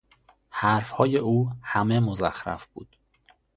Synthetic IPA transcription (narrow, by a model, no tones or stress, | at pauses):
hæɾfhɒːje̞ʔuːhæme̞mozæxɾæ̰fb̥ṵːd̪̥